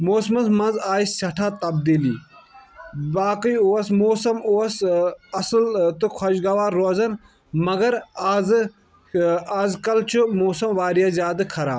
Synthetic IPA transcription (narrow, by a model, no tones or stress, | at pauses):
moːsmɐsmɐnzaːissɐʈʰaːt̪ɐbd̪iːliː | baːkijowɐsmoːsɐmoːɐsɐsɨlt̪ɨkʰɐʃɡɐʋaːɾːoːzɐn | mɐɡɐɾaːz | aːzkɐlt͡ʃʰumoːsɐmʋaːɾijɐzjaːd̪ɨkʰɐɾa̰ː